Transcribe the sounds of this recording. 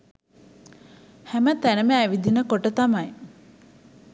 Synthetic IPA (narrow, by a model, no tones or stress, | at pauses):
hæmət̪ænəmæːʋid̪inəkoʈət̪amɐj